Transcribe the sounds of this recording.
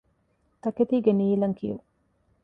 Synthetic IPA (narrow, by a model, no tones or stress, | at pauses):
t̪ɐket̪iːɡeniːlɐŋkḭju